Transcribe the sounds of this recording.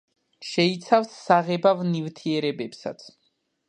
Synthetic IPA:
ʃɛit̪sʰafsːaʁɛbavnivt̪ʰiɛɾɛbɛpsa̰t̪sʰ

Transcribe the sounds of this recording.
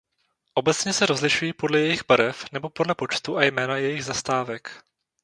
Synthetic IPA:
ʔo̞bɛt͡sɲɛsɛɾo̞zlɪʃujipo̞dlɛjɛjɪɣbaɾɛfnɛbo̞po̞dlɛpo̞t͡ʃt̪uʔajmɛːnajɛjɪɣzast̪aːvɛk

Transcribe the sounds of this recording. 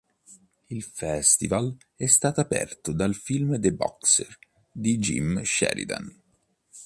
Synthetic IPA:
ilfɛst̪ival | ɛst̪aːt̪apɛ̰rt̪ʊd̪alfilmd̪ebɔ̰kser | d̪id͡ʒḭmʃɛ̰ɾḭd̪a̰n

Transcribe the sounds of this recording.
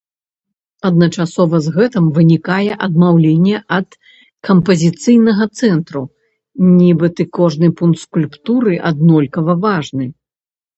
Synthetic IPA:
ɐd̪nɐt͡ʂasɔvɐzɣɛt̪ɨmvɨnʲikajɛʔɐd̪̚mawlʲenʲːɛʔɐt̪ | kɐmpɐzʲit̪sɨjnɐɣɐt̪sɛnt̪ɾu | nʲibɨt̪ɨkɔʐnɨpunkt̪skulʲpt̪uɾɨʔad̪nɔlʲkɐvɐvaʐnɨ

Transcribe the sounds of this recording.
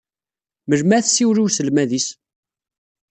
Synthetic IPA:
məlmæθsiwɾiwsəlmæðis

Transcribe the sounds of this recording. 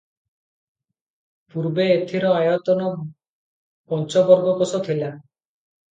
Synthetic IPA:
puɾbeːt̪ʰiɾɔajɔt̪ɔnɔ | pɔnt͡ʃɔbɔɾɡɔkosɔt̪ʰila

